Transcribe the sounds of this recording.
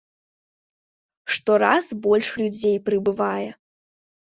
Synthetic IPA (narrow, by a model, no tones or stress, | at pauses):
ʂt̪ɔɾasbɔlʲʂlʲud͡zʲejpɾɨbɨvajɛ